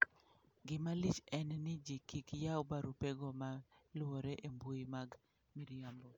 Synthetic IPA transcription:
ɡɪmalɪt͡ʃɛnnɪd͡ʒikikjaʊbaɾupeɡɔmalwoɾeʔemboimaɡ | miɾjambo

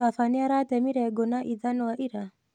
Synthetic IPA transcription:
afaniaɾatɛmiɾɛɡɔnaʔiðanɔwaʔiɾa

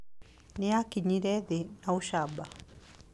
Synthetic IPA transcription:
nɛakiɲiɾɛðɛnauʃaɓa

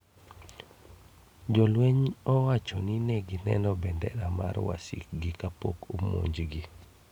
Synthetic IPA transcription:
d͡ʒɔlweɲɔwat͡ʃɔninɛɡinɛ̰nɔbɛndɛ̰ɾama̰ɾwa̰sḭk̚ɡɪkapokomo̰ɲd͡ʒɡi

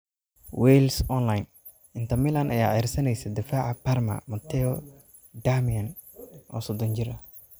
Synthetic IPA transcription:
wɛjlsɔnlajn | ʔɪnt̪ʰɐmilɐnʔɐ̰jaːʕɛːrsɐnɛjsɐd̪ɪfaːʕapɐrmɐ̰mɐt̪ʰɛɔ | d̪amiɐn | ʔɔ̰ːsɔd̪ɔnt͡ʃɪɾɐ

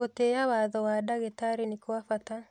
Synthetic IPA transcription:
otejawaðɔwadaɣetaɾenekwafata

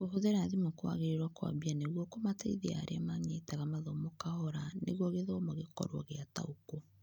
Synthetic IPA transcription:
ɣoɦoðeɾaðimokwa̰ɣeɾeɾwakwa̰bianeɣwɔkomateiðea̰ɾʔeamaɲetaɣamaðomokahɔɾaneɣwɔɣeðomoɣekɔ̰ɾwɔ̰ɣeata̰uko

